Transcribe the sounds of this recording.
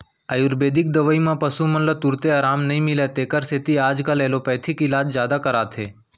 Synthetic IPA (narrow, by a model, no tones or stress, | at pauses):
əjuɾbeːd̪ɪk̚d̪ɐʋəimãpɐsumɐ̃nlot̪ʊɾt̪eaːɾaːmnɐɦĩmɪlet̪eːkəɾset̪iaːd͡ʒkaleːlopɛːt̪ʰikɪlaːd͡ʒzjaːd̪akəɾaːt̪ʰeː